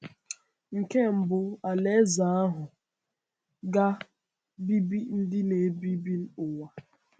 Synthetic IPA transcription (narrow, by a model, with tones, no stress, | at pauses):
ŋ̩˨ke˦m̩˨bʊ˨a˨le˦za˨˦a˦ɦʊ˨ | ɡa˦ | bi˦bi˦n̩˦dɪ˦ne˨˦bi˦bi˦n̩˦ʊ˨wa˨